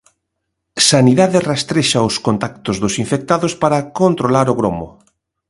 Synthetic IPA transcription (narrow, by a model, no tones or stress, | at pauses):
saniðaðɪrest̪ɾeʃɐʊskont̪ak̚t̪ʊzðʊsiɱfek̚t̪aðʊspaɾɐkont̪ɾolaɾʊɣɾomʊ̰